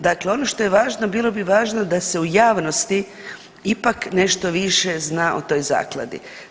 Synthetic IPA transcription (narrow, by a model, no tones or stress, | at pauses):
d̪akleo̞no̞ʃt̪o̞je̞ʋaːʒnobiːlˠo̞biʋaːʒnod̪ase̞ujaːʋnost̪i | ipakne̞ʃt̪o̞ʋiʃe̞znaːʔot̪o̞jza̰ːklˠa̰d̪ḭ